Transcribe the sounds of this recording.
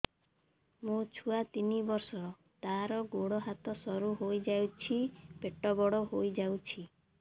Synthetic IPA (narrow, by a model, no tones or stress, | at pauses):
mũt͡ʃʰuat̪inibɔɾsɔɾɔ | t̪aɾɔɡoɽɔɦat̪ɔsɔɾuɦojd͡ʒawt͡ʃʰibeʈɔbɔɽɔɦojd͡ʒawt͡ʃʰi